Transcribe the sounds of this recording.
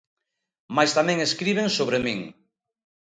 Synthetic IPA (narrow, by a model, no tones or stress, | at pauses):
majst̪amɛ̃ŋeskɾiβ̞eŋsoβɾemĩŋ